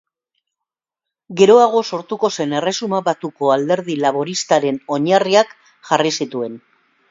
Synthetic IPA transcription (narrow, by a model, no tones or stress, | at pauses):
ɡe̞ɾo̞aɣ̞o̞so̞ɾt̪uko̞se̞ne̞re̞sumaβat̪uko̞ald̪e̞ɾð̞ilaβ̞o̞ɾist̪aɾe̞no̞ɲariak | ʝarisit̪ue̞n